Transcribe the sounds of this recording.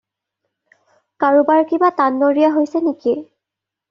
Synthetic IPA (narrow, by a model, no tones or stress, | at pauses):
kaɹubaɹkibatanːoɹijaɦojsɛnikiɛ